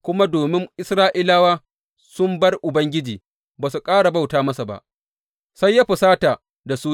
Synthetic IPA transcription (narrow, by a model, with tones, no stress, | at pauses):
kʷʊ˦ma˦doː˨mɪ˦ŋʔɪ˦sɾaː˦ʔɪ˦laː˦waː˦ | sʊ˦mbɐ˦rʔʊ˨bɐ˦ŋɡʲɪ˦d͡ʒiː˨ | baː˨s̬u˨kʼaː˦ɽa˨ba˦wtaː˦mɐ˦sa˨ba̰˨ʔ | sa˦jːaː˦ɸʊ˨saː˦ta˨ | da˨su˦